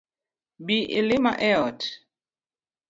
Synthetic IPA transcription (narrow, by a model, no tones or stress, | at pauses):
biʔḛlɪma̰ʔɛɔt